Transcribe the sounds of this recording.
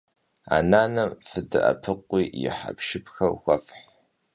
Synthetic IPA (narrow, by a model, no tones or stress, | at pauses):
a̰ːnaːnɐmfɨdɨʔɐpʰɨqʷːiːjɪ̰ħa̰pʃɪpxɐrxʷɐfħ